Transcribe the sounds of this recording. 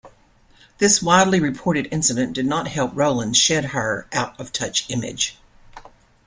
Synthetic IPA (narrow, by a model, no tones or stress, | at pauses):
ðɪswaɪdˡliɹɨpʰɔɹɾɨɾɪ̃nsɨɾɨ̃nd̥ɨdⁿnət̚hɛlˠp̚ɹoʊlˠə̃nʃɛd̚ə˞ʔaʊɾʌv̥tʰʌt͡ʃɪ̃mɪ̰d̥ʒ̥